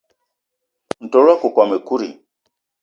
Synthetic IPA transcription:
n̩˨tɔ˨ɾwa˦ku˨kwa˨me˨ku˦ɾḭ˨

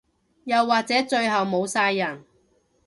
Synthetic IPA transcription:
jɐ˨wːaː˨k̚t͡sɛː˨˥t͡ʃɵ˧ɥɦɐ˨wmo˨˧wsaː˧jːɐ˨˩n

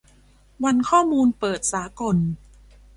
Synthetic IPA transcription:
wa˧nkʰɔː˥˩muː˧npɤː˨˩t̪̚saː˩˦ko˨˩n

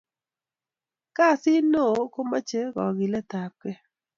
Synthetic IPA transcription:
ka˦˨sɪ˦no˦˨ko˦ma˦t͡ʃe˦ɡɔ̰˨ɡɪ˨lɛ˦t̪a˨p̚kɛ˦

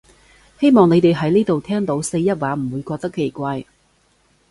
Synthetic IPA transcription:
he˥jmɔː˨˩ŋne˨˧jt̪e˨jɦɐ˨˥jniː˥t̪o˨˩wt̪ʰɛː˥ŋt̪o˨˥wse˧jɐ˥t̚waː˨˥m̩˨˩wuː˨˧jkɔː˧k̚t̪ɐ˥kʰːe˨˩jkʷaː˧j

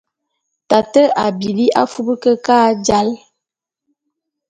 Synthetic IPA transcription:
ta˨tə˦ʔa˨bi˨li˦ʔa˦fu˦bə˦kə˦ka˦d͡ʒa˦l

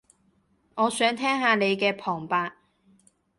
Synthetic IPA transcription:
ŋɔː˨˧sœː˨˥ŋt̪ʰɛː˥ŋhaː˨˧ne˨˧jkɛː˧pʰɔː˨˩ŋpaː˧

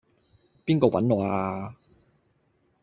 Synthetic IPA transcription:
piː˥nkɔː˧wɐ̰˨˥nlɔː˨˩aː˧

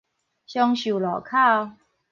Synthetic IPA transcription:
ɕjɔ˧ŋɕu˨˩lɔ˨˩kʰa˥˧

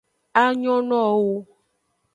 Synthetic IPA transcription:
a˦ɲɔ̃˦nɔ̃˦˨wo˦

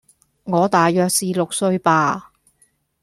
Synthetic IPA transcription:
ŋɔː˨˧t̪aː˨jœː˨˧k̚siː˨lʊ˨k̚sɵ˧ɥpaː˧

